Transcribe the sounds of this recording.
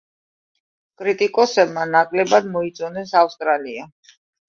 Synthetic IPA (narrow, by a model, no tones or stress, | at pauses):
kʼɾit̪ʼikʼɔsɛbmanakʼlɛbad̪mɔit̪sʼɔnɛsafst̪ʼɾalia